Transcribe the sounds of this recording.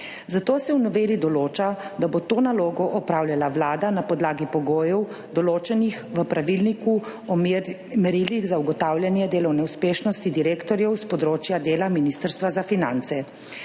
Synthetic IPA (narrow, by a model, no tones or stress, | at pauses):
zat̪oːsɛwnɔʋeːlid̪ɔloːt͡ʃad̪abot̪oːnaloːɡɔʔɔpɾaːwlʲjalaʋlaːd̪anapɔd̪laːɡipɔɡoːjɔw | d̪ɔloːt͡ʃɛnixʋəpɾaʋilniku | ɔ | mɛɾiliɣzauɡɔt̪aːwlʲjanjɛd̪eːlɔwnɛuspeːʃnɔst̪id̪iɾeːkt̪ɔɾjɛwspɔd̪ɾoːt͡ʃjad̪eːlaminist̪əɾst̪ʋazafinant̪sɛ